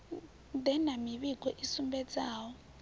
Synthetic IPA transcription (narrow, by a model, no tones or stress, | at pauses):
d̪ɛnamiβiɡʱɔʔisumbɛd͡zaːwɔ